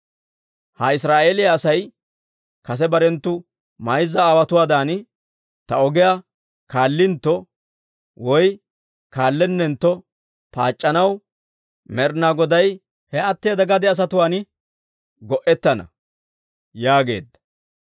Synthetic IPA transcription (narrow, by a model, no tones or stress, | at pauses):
hɐɪsɾaːʔeːlɪjaːsɐj | kɐs̬ɛbɐɾɛnt̪ːʊ | mɐjzːɐaːwɐt̪ʊwaːd̪aːn | t̪ɐɔɡɪja | kaːlːɪnt̪ːɔ | wɔj | kaːlːɛnːɛnt̪ːɔ | pa̰ːt͡ʃʼːɐnɐw | mɛɾnaːɡɔd̪ɐj | hɛɐt̪ːeːd̪ɐɡɐd̪ɛɐs̬ɐt̪ʊwaːn | ɡɔʔɛt̪ːɐnɐ̰ | jaːɡe̞ːd̪ːɐ